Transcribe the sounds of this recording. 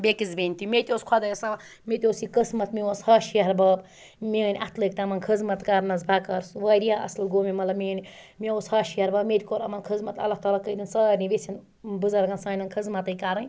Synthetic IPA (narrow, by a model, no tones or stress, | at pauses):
bekizbenʲt̪imet̪ʲoskʰɐd̪ɐjɐsɐ | met̪ʲoːsikɨsmɐt̪mioshaːʃijɐɾbɐːb | menʲʔat̪ʰlək̚t̪ɐmɐnkʰɨzmɐt̪kaɾnɐzbʱakɐɾsʋɐːdijaʔɐ̰slɡoːmimɐt̪lɐbmʲenʲ | meoshaːʃijɐɾbɐːbmet̪ʲikoɾɐmɐnkʰɨzmɐt̪ɐ̰lːaht̪aːlaːkəd̪ʲinsɐːɾniʋesin | bɨzɐɾɡɐnsãːnɐnkʰɨzmɐt̪ɐjkaɾɐ